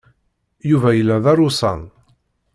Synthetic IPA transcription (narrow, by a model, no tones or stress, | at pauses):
juvæjəlːæðɑɾˤʊsˤɑ̰n